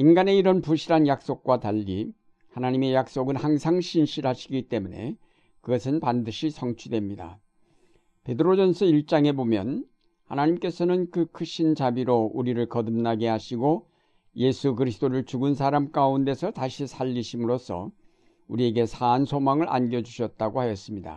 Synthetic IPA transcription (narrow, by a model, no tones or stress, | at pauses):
inɡane̞iɾʌnpuɕʰiɾanjak̚s͈ok̚k͈wataʎːḭ | hanaɲime̞jak̚s͈oɡɯnhaŋsʰaŋɕʰinɕʰiɾhaɕʰiɡit͈e̞mune̞̰ | kɯɡʌsʰɯnpandɯɕʰisʰʌŋt͡ɕʰudwe̞mɲida̰ | pe̞dɯɾod͡ʑʌnsʰɯiɭt͡ɕ͈aŋe̞bomjʌ̰n | hanaɲimk͈e̞sʰʌnɯnkɯkʰɯɕʰint͡ɕabiɾouɾiɾɯɭkʌdɯmnaɡeɦaɕʰiɡo | je̞sʰukɯɾisʰɯ̥t͈oɾɯɭt͡ɕuɡɯnsʰaɾamk͈aunde̞sʰʌtaɕʰisʰaʎːiɕʰimɯɾos͈ʰʌ̰ | uɾie̞ɡe̞sʰaːnsʰomaŋɯɭʔa̰nɡjʌd͡ʑuɕʰʌt̚t͈aɡohajʌs͈ɯmɲida̰